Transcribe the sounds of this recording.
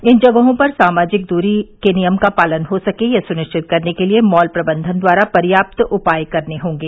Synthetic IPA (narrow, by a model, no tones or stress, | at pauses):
ɪnd͡ʒɐɡəɦõpɐɾsaːmaːd͡ʒɪk̚d̪uːɾikenijəmkapaːlənɦosɐkejasʊnɪʃt͡ʃʰɪt̪̚kɐɾnekeliemɔːlpɾɐbə̃nd̪ʱənd̪waːɾapɐɾjaːp̚t̪ʊpaːjkɐɾneɦõːŋɡeː